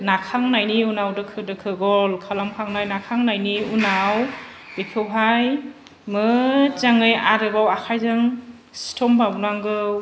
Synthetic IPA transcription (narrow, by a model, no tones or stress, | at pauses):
nakʰaŋnajniunawdɯkʰɯdɯkʰɯɡɔlkʰalamkʰaŋnajnakʰaŋnajniunaw | b̥ipʰɯwɦaj | mɯt͡ʃaŋɯjaɾɯbawakʰajzɯŋ | stʰɔmbabnaŋɡɯw